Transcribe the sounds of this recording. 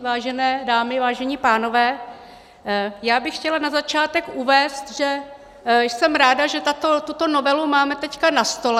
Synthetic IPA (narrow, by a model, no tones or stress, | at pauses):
vaːʒɛnɛːdaːmɪvaːʒɛɲiːpaːno̞vɛː | jaːbɪxcɛlanazat͡ʃaːt̪ɛkʔuvɛːst̪ʒɛ | sɛmɾaːdaʒɛt̪at̪ot̪ut̪o̞novɛlumaːmɛt̪ɛckanast̪o̞lɛ